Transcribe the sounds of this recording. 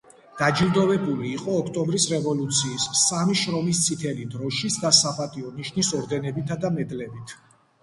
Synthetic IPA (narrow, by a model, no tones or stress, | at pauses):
d̪̥ad͡ʒild̪ɔvɛbuliːqʼɔːkʰt̪ʼɔmbɾisɾɛvɔlut̪sʰiːsːamiʃɾɔmist̪sʰit̪ʰɛlid̪ɾɔʃisd̪asapat̪ʼiɔniʃnisɔɾd̪ɛnɛbit̪ʰad̪amɛd̪lɛbit̪ʰ